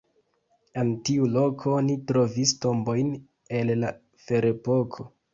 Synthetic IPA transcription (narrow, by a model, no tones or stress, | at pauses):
entiulo̞kʰo̞nitɾo̞visto̞mbo̞jn | e̞lla | feɾepo̞kʰo̞